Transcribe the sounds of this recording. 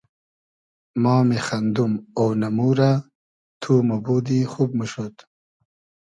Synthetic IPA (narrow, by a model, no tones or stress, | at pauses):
mɑːmexɐnd̪umownɐmuːɾa | t̪ʰuːmobuːd̪ixuːb̚məʃot̪